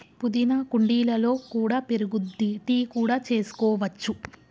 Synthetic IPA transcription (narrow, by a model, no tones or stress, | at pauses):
pud̪inɐkuɳɖiːlɐlo̞ːkuːɽaːpeɾuɡud̪iʈiːkuːɽaːt͡ʃe̞ːsu̥kɔːʋɐt͡ʃːu